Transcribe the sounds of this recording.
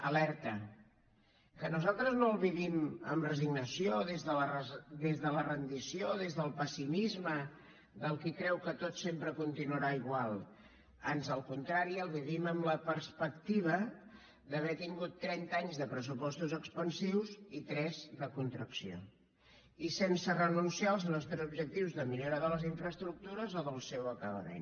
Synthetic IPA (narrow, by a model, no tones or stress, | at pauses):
əlɛɾt̪ə | kənuzalˠt̪ɾəznoəlˠβiβiməmrəziɡnəsioðezðələrəd̪ezðələrənd̪isioðezðəlˠpəsimizmə | d̪əlˠkikɾɛwkət̪ot̪sempɾəkunt̪inuəɾaiɣwalˠ | anzəlˠkunt̪ɾaɾiəlˠβiβiməmləpəɾspəkt̪iβə | d̪əβɛt̪iŋɡut̪ːɾɛnt̪aɲzðəpɾəsupɔst̪uzəkspənsiwzit̪ɾɛzd̪əkunt̪ɾəksio̰ | isensərənunsialˠznɔst̪ɾɛzubʒək̚t̪iwzðəmiʎoɾaðələziɱfɾəst̪ɾuk̚t̪uɾəzoðəlˠsɛwəkəβə̰mḛn